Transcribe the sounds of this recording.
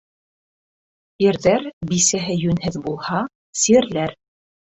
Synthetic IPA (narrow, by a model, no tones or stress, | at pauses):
iɾðæɾbisæɦɘjʉnhɘðbulˠhɑ | siɘ̆ɾlæɾ